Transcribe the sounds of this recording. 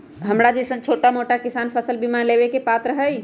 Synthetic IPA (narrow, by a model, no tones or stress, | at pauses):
ɦəmɽad͡ʒisə̃nt͡ʃʰoʈamoʈakisanpʰəsəlbimalebekepat̪ɾəɦəj